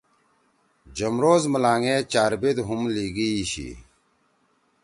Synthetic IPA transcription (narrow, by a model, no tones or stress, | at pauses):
d͡ʑɐmɾoːzməlaːŋẽːt͡ɕaːɾbed̪ɦumliːɡiiɕḭ